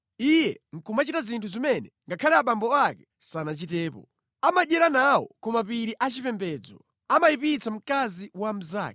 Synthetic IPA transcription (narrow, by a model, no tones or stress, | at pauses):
ijɛ̰ŋ̩kʰumat͡ʃitazintʰuzimɛnɛŋɡakʰalɛaɓambɔakɛ̥ | sanat͡ʃitɛːpɔ̰ | amaɗɛɾanawɔ̰kɔmapiɾiʔat͡ʃipɛmbɛd͡zɔ̰ | amajipit͡sʰam̩kaziwam̩za̰ːkɛ